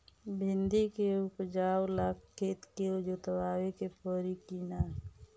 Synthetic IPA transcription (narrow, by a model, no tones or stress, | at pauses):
bʱɪ̃nd̪ikeʊpd͡ʒaːwlakkʰːeːt̪keod͡ʒot̪əwaːwekepɔɾikiːnaɦ